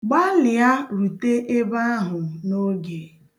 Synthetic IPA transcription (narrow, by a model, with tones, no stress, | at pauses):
ɡ͡ba˦lɪ˨a˦ɾu˨te˦ʔe˦ba˦a˦ɦʊ˨no˦ɡe˨